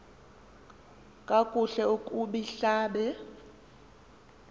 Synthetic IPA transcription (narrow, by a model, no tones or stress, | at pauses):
kʼakʼuɬɛukʼuɓiɬaːɓɛ